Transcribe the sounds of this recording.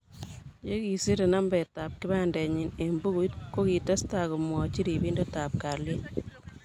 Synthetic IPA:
je˦ki˨si˦ɾe˨na˦mbɛ˨ta˨p̚kɪ˦ba˦ndɛ˨ɲɪ˨nembu˦ɡu˦tko˦ki˨tɐ˦sta˨ku˨mwɔ˨t͡ʃi˦ɾi˨bi˦ndo˦ta˨p̚ka˨ɾlje˦n

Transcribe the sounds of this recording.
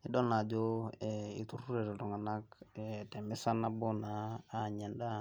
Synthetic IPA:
ɪ˦ɗɔ˦na˨d͡ʒo˦ɛi˨tu˦ru˦ɾe˨tɔ˨tʊ˨ŋa˨na˦kɛtɛ˨mɪ˦sa˦na˦bo˦naː˨ɲɛ˨nda˦

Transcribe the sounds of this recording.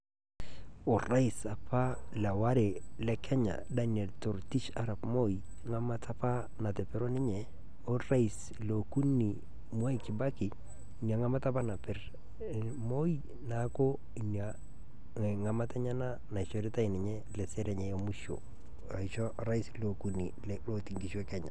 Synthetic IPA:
o˨ra˦i˨sa˨pʰa˦la˨wa˦ɾe˨lɛ˦kʰɛ˦ɲa̰˨daniɛ˨lto˨ɾti˦ʃa˨ɾa˨pmo˦ji | ŋa˦ma˦tʰa˦pa˦ | na˨tɛ˨pɪ˦ɾo˦nɪ˦ɲɛ˨ | o˦ra˦i˨s | loku˦ni˨ | mu˦a˦jkɪ˨ba˦kɪ˨ | nja˨ŋa˦ma˦ta˦p̬a˦na˨pɪ˦r | mo˦i | na˦ko˦ | i˨nja˨ | ŋa˦ma˦tɛ˦ɲa˦na˦ | na˨ɪ˨ʃɔ˦ɾi˦ta˦i˨nɪ˨ɲɛ˦lɛ˨sɛ˦ɾɛ˨ɲɛ˦e˦mu˦ʃo̰˨ | a˨iʃɔ˦ɾa˦islo˨ku˦ni˨l | lo˦ti˨ŋɡi˨ʃu˦ɛ˦kɛ˦ɲa̰˨

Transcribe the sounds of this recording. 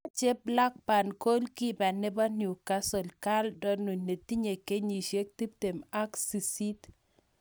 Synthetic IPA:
t͡ʃe˦bla˦k̚pa˨nko˦lki˦ba˨nɪ˦ba˦nju˨ka˦sɔ˨lka˦ldɔ˦nu˨ne˨ti˦ɲe˨ke˦ɲi˨ʃe˦k̚ti˦p̚te˨ma˦ksi˨si˦t

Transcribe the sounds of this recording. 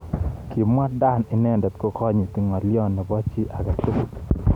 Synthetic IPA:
ki˨mwa˦da˦˨ni˨nɛ˦ndɛ˨t̪ko˦kɔ˦ɲi˨t̪i˨ŋɔ˨ljɔ˦nːɛ˨bɔ˦t͡ʃi˦ʔa˨ɡa˨tu˦k

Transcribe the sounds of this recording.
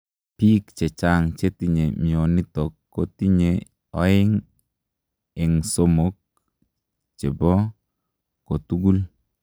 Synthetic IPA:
pi˦kt͡ʃɛ˨t͡ʃa˦ŋt͡ʃe˦ti˦ɲe˨mi˨o˨ni˦t̪ɔ˨kːo˦ti˦ɲe˨ | ɔ˦ɪ˦ŋ | ɪ˨ŋso˦mo˨k̚ | t͡ʃe˨bɔː˦ | o˨t̪u˦ɡu˦l

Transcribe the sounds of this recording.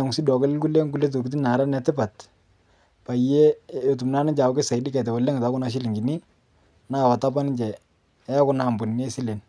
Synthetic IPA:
ŋsi˦dɔ˨kɛ˦llku˦le˦ŋɡu˦le˦t̬u˨kit̬i˦na˨ɾa˦nɛ˨tɪ˦pa˨t | pa˨je˦o˨tu˨mna˦nɪ˦d͡ʒa˨wke˦sa˨ɪ˦dɪ˦kɛ˨t̬ɛ˨wa˨le˦ŋ˨ta˨˦kʊ˦na˨˦ʃ̬i˦li˨ŋɡi˨ni˦ | naː˦˨wa˨ta˦pa˦nɪ˦d͡ʒɛ˨ | ɛ˦ja˦kʊ˦na˨mbu˨ne˦si˦le˨n

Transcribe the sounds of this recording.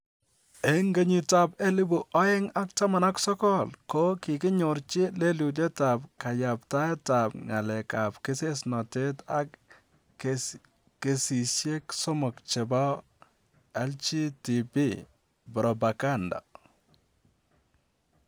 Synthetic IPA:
e˦ŋɡe˦ɲi˨ta˨pɛ˦lɪ˦bu˨ʔɔ˦ɪ˦ŋa˦k̚ta˦ma˨na˦ksɔ˦kɔ˦lkɔ˦kɪ˨kɪ˦ɲo˨ɾt͡ʃɪ˦le˦lu˨dɛ˦ta˨pka˨ja˨pta˦ɛ˦ta˨p̚ŋa˨lɛ˨ka˨pkɪ˦se˦snɔ˨te˦ta˦k | ke˨si˨sje˦ksɔ˦mʊ˨kt͡ʃe˨bɔ˦ | ɛ˦lt͡ʃi˦ti˨pi˦ | bɔ˨ɾɔ˨ba˨ka˦nda̰˨

